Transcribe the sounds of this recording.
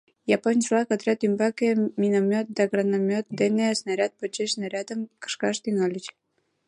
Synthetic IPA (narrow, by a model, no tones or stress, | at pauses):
japonʲslˠɑkot̪ɾʲat̪ymbɑkemʲinomʲot̪̚d̪ɑɡɾanomʲot̪̚d̪enesnaɾʲat̪̚pot͡ɕːeʃsnaɾʲɑt̪əmkə̥ʃkɑʃt̪inolʲit͡ɕ